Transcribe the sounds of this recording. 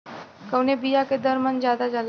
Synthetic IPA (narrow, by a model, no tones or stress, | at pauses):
kəwnebijaked̪əɾmənd͡ʑjad̪ad͡zal